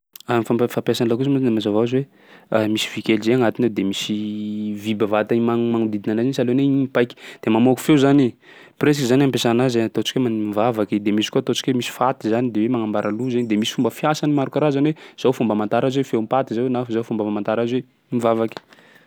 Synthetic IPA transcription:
afaafapjasanilakusmanemazavaazwe | amisi̥vikelzeaŋat̪ined̪emisivibavat̪aimaŋmaŋud̪id̪inanazinisaleneiipajkʲi̥d̪̥emamoku̥fewzani | pɾes̬ikizanampesanazat̪ot͡ʃi̥kwemanimivavakid̪emisi̥kuat̪ot͡ʃi̥kʲwemisi̥fat̪izanid̪ewemaŋambaɾʔaluzanid̪emisi̥fumbəfiasanimaɾukaɾazaniwez̥awfumbəmant̪aɾazwefewmpat̪izawenafzawfumbəamant̪aɾazwe | imivavaki̥

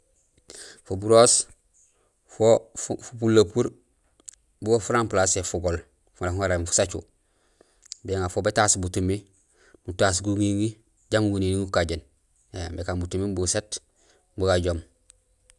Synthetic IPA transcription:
fobuɾoːs | fofupulːapuɾ | buɡofuɾamplasefuɡol | funahuŋaɾemfu̥sat͡ʃṵ | bieŋafobetasbutumi | mutas̬ɡuŋiŋi | ɟamuɡuniniŋukaɟen | ebekaːmbutumibuset | buɡaɟom

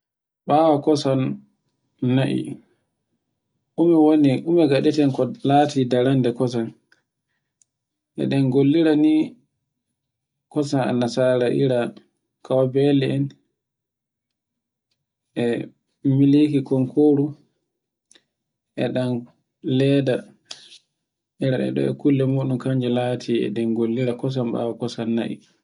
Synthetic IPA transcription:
ɓaːwakɔsanː | aʔḭ | ʔumɛwoniʔumɛɡaɗɛtɛnkɔlatidaɾandɛkɔs̬an | ʔɛ̰ɗanɡolːiɾani | kɔsana̰nːasaɾaʔiɾa | kʰawabɛlɛɛn | ʔɛ | milikikɔŋkʰoɾu | ʔɛɗan | lɛda | ʔiɾaɛ̰ɗɔ̰ɛ̰kulːɛmoɗumkaɲd͡ʒɛlatʰiɛ̰ɗɛnɡolːiɾakɔs̬amɓa̰wakɔsanːaʔḭ

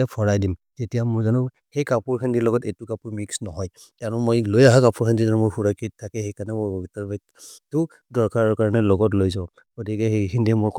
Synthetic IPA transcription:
apʰɔɹajdim | zetijamʊɹzanʊ̃ | hejkapuɹkʰandiɹlɔɡɔtetukapuɹmiksnɔɦɔj | tanʊ̃mojlojaɦakapʰuɹkʰandizanumʊɹxuɹakittʰːakɛxejkanɛmobɔɡitaɹbɛ | tʊ | dɔɹkaɹɔɹkaɹɔnɛlɔɡɔtlojzaɔ | ɡ̥otikɛɦekʰindiɛmʊk

